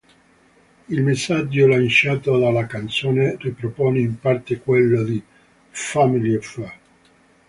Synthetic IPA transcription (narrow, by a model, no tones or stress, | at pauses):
ilmesːad͡ʒːolant͡ʃaːt̪od̪alakant̪soːneripɾopɔːneimpart̪ekwelːod̪i | familiɔfa